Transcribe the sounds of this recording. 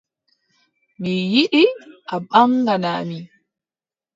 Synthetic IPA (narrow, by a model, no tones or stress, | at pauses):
mijiɗiʔaɓaŋɡanaːmi